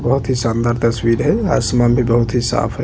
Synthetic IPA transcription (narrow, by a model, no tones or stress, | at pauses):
bəɦut̪ɦisə̃nd̪aɾt̪əswiɾɦɛa̰səmabʱibəɦut̪ɦisa̰ːpʰɦɛ